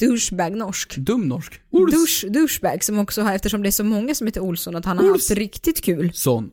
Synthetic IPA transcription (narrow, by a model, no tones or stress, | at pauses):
d̪̥ɵʂbæɾɡnɔʂkd̪ɵmnɔʂk̪ʂd̪ɵʂbæɾɡsɔmɔksɔhaɾɛft̪əʂɔmd̪ɛæʂɔmɔŋːasɔmheːt̪əʊlsɔnat̪hanhaaɾhaft̪ɾɪkt̪ɪt̪kʰʉ̟ːlsɔn